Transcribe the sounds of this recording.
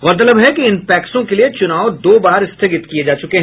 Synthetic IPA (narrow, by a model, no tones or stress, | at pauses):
ɣɔːɾt̪̬ɐləbɦɛkiɪnpɛːksõkeliet͡ʃʊnaːod̪oːbaːɾɪst̪ʰeɡɪt̪kijed͡ʒaːt͡ʃʊkeɦɛ̃